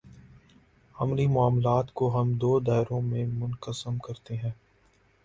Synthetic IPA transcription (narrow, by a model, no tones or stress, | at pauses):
ɐmɾimʊaːmlaːt̪koɦɐmd̪oːd̪aːɪɾõmẽmʊnkəsəmkɐɾt̪eɦɛ̃ː